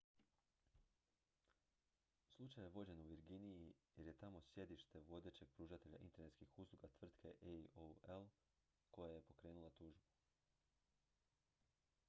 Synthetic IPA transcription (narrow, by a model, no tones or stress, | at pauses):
slˠut͡ʃajjeʋo̞d͡ʑe̞nuʋiɾɡinijijeɾje̞t̪amo̞sje̞d̪iʃt̪e̞ʋo̞d̪e̞t͡ɕe̞ɡ̥̚pɾuːʒat̪e̞ʎa̰ʔḭnt̪e̞ne̞t̪skixuːslˠuɡat̪ʋr̩t̪kʰe̞ʔeoel | ko̞jaje̞po̞kɾe̞ːnulˠat̪uːʒbu